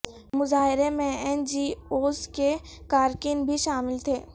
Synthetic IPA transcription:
mʊzaːɦɪɾemẽɛnd͡ʒiːoːske | kaːɾkɪnbʱiʃaːmɪlt̪ʰeː

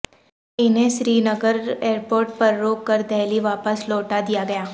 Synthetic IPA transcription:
ɪnɦẽʃɾiːnəɡəɾeːɾpoːɾʈ̚pɐɾːoːkːəɾd̪ɛɦliʋaːpəsloːʈad̪ijaɡɐjaː

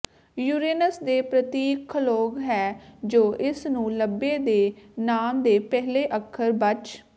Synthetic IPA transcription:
juːɾeːnəsd̪eːpɾət̪iːkʰːloːɡɦɛːd͡ʒoːʔɪsnũːləbːeːd̪eːnaːmd̪eːpɛɦleːʔəkʰːəɾbət͡ʃ

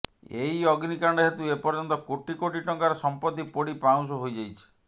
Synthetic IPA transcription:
eɦiɔɡnikaɳɖɔɦet̪uepɔɾd͡ʒɔnt̪ɔkoʈikoʈiʈɔŋkaɾɔsɔmpɔt̪ːipɔɽipaw̃s̬ɔɦojd͡ʒajt͡ʃʰi̥

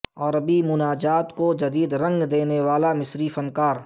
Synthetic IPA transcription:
ɔːɾɐbimʊnaːd͡ʒaːt̪kod͡ʒɐd̪iːd̪ɾɐ̃ŋɡd̪eːneʋaːlamɪsɾifɐnkaːɾ

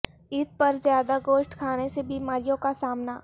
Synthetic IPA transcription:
ɪt̪̚pɐɾzjaːd̪aɡoːʃʈkʰaːnesebiːmaːɾijõkasaːmnaː

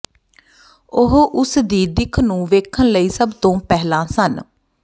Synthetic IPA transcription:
ʊɦʔʊsd̪iːd̪ɪkʰnũːʋeːkʰənləiːsəbt̪õːpɛːɦlãːsən

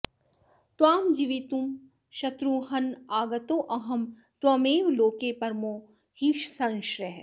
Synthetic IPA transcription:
t̪waːmd͡ʒiʋit̪um | ʃɐt̪ɾuɦɐnaːɡɐt̪oːʔɐɦɐm | t̪wɐmeːʋloːkepɐɾmoː | hiʃsɐ̃ŋʃɾeɦ

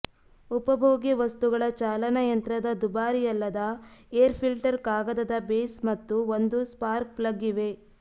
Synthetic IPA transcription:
upɐbʱoːɡeʋɐst̪uɡɐɭɐt͡ʃaːlɐnɐjɐnt̪ɾɐd̪ɐd̪ubaːɾijɐlːɐd̪ɐeːɾpʰilʈɐɾkaːɡɐd̪ɐd̪ɐbeːsmɐt̪ːuond̪uspaːɾk̚plɐɡːiʋe̞

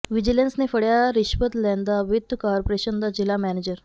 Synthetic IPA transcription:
ʋid͡ʑilensnefəɽjaɾiɕʋət̪lɛnd̪aʋʋid̪ːəkaɾpoɾeɕənd̪ad͡ʑilamæned͡ʑəɾ

